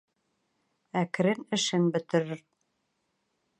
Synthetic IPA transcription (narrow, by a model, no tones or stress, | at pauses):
ækɾɘnɘ̆ʃɘnbɵ̆t̪ɘ̆ɾɘɾ